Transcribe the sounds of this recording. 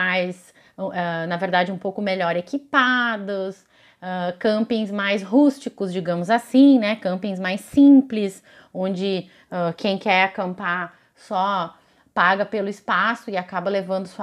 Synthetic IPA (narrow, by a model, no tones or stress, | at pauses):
ajs | ɛnɐveɾd̪ad͡ʒɪũpowkʊmeʎɔɾekipad̪ʊs | ɛkɐ̃mpĩzmajsɦust͡ʃikʊzd͡ʒiɡɐ̃mʊzasĩnɛkɐ̃mpĩzmajsĩplɪs | õd͡ʒɪ | ɛkʰẽj̃kɛɾakɐ̃mpaɾ | sɔ | paɡɐpelʊispasʊɪakabɐlevɐ̃nd̪ʊsu